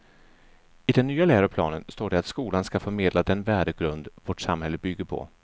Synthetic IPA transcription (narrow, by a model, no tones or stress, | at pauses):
ɪd̪ɛnːyːalæːɾapʰlɑ̰ːnənst̪oːɖɛat̪skuːlanskafœɾmeːd̪lad̪ɛnvæːɖəɡɾɵnd̪vɔʈsa̰mhɛlːəbʏɡːəɾpʰɔ̰